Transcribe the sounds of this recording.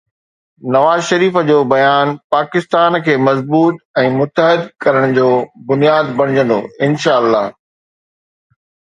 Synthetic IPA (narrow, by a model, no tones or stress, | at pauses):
nɐʋaːzʃɐɾiːfd͡ʑoːbɐjaːnpaːkɪst̪aːnkʰeːmɐzbuːt̪̚ɛ̃ːmʊt̪əɦɪd̪kɐɾəɽ̃d͡ʑoːbʊnijaːd̪bɐɽ̤̃ɪd͡ʑə̃nd̪o̰ɪnʃaːəlːaːɦ